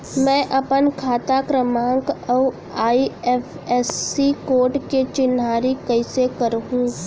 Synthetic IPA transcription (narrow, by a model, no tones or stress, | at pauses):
mɛ̃ːʔɐpənkʰaːt̪akɾəmãːŋkɔ | aːiɛːfʰ | ɛːsikoːɾʈket͡ʃɪnɦaːɾikɐɪsekəɾɦũː